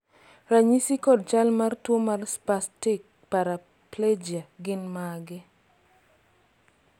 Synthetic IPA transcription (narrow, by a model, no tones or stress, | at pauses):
raɲisikɔd̚t͡ʃalmartwomarspastɪk̚ | paɾa | pled͡ʒaɡɪnmaɡɪ